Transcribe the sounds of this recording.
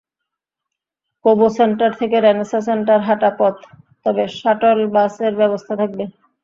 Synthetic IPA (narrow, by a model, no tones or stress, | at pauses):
koboseɳʈaɾt̪ʰekeɾɛnesas̬eɳʈaɾɦaʈapɔt̪ː | ɔbeʃaʈolbaseɾbɛbost̪ʰat̪ʰak̚be